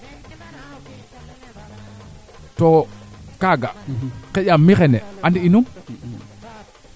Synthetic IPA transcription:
tɔkaɡakɛjamixɛnɛʔandiinum

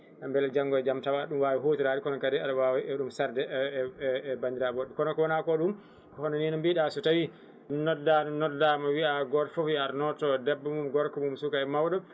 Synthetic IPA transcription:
ʔambɛlɛd͡ʒaŋɡɔɛd͡ʒamtawaɗumwawiɦoːtiɾadikɔnɔkadɛalawawiɛɗumsaɾdɛʔ | bandiɾabɔɗːɛkɔnɔkɔwɔnakɔɗum | kɔhɔnɔninɔmbiɗasutawi | nɔdːanɔnɔdamawiaɡɔɾfɔfiaɾnɔtɔdɛbːɔmumɡɔɾkɔmumsukaɛmawɗɔ

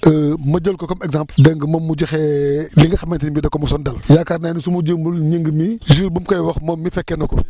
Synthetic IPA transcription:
əmɐɟɐlkɔkɔmɛɡzãmpldɐŋɡəmɐmːud͡ʒɐxɛːliŋɡəxɐmɐntiɲbidɐkːɔmusɔndɐljakaɾnaːnisumud͡ʒəmulɲəŋɡmiʒiːɾbumkɐjwɐxmɔmmifɛkːɛnɔkɔ̰

